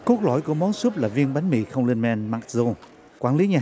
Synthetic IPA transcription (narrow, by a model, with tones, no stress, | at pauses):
ko˦˥k̚lɔ̰˧˩jku˧˩əmɔ˨˦nsu˦˥əp̚laː˨˩vi˧ənɓa˨˦nmḭ˧˩xə˧wŋ͡mli˧nmɛ˧nmaː˦˥k̚zo˧ | kwaː˧˩nli˨˦ɲaː˨˩